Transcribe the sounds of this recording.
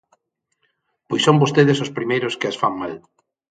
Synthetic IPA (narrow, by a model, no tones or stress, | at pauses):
pojsõmbost̪eðesospɾimejɾoskeasfaŋmal